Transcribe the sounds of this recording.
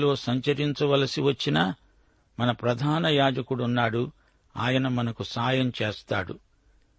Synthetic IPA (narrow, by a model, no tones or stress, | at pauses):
lo̞ːsɐɲt͡ʃɐɾiɲt͡ʃɐʋɐlɐsiʋɐt͡ʃːinɐ | mɐnɐpɾɐd̪ʱaːnɐjaːd͡ʒɐkuɽunːaːɽu | aːjɐnɐmɐnɐkusaːjɐmt͡ʃe̞ːst̪aːɽṵ